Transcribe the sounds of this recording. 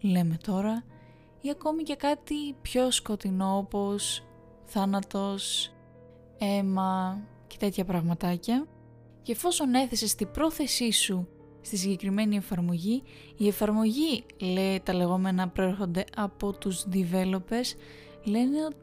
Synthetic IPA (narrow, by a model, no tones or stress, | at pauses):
le̞me̞t̪o̞ɾɐ | iɐko̞mice̞kɐt̪ipço̞sko̞t̪ino̞opo̞s | θɐnɐt̪o̞s | e̞mɐ | ce̞̥t̪e̞t̪çɐpɾɐɣmɐt̪ɐcɐ | ceːfo̞so̞ne̞θe̞se̞st̪ibɾo̞θe̞sisu | st̪isiɲɟe̞kɾime̞nie̞fɐɾmo̞ʝi | ie̞fɐɾmo̞ʝile̞t̪ɐle̞ɣo̞me̞nɐpɾoe̞ɾxo̞nd̪e̞ɐpo̞t̪uzðive̞lo̞pe̞s | le̞neo̞t̪i